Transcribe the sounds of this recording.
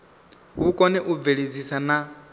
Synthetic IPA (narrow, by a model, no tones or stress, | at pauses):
ɦukʼɔnɛʔub̪veɺed͡zisana